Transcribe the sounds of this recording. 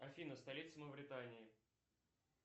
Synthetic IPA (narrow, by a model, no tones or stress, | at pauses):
ɐfʲinəst̪ɐlʲit̪səməvɾʲɪt̪anʲɪː